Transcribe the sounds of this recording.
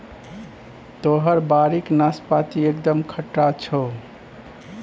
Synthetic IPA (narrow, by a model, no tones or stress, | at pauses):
t̪oɦəɾbaɾiknaspat̪iekd̪əmkʰəʈɾat͡ʃʰɔ